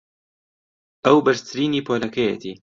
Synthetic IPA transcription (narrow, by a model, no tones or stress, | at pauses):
ʔɐwbɐɾst̪ʰɨɾiːniːpʰolɐkʰɐjɛ̰t̪ʰiː